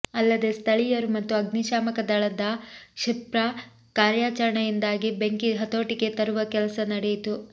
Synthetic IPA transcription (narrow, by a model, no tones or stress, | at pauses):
ɐlːɐd̪e̞st̪ʰɐɭijɐɾumɐt̪ːuɐɡniʃaːmɐkɐd̪ɐɭɐd̪ɐʃipɾɐ | kaːɾjaːt͡ʃɐɾɐɳɐjind̪aːɡibe̞ŋkiɦɐt̪o̞ːʈike̞t̪ɐɾuʋɐkɛlɐsɐnɐɽejit̪u